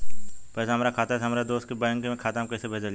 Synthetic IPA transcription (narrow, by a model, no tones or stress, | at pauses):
pɛːsaɦɐmːɾakʰaːt̪asɦmːɾad̪oːst̪̚kebaj̃ŋkemẽkʰaːt̪aːmkɐːsebʱɐd͡ʒal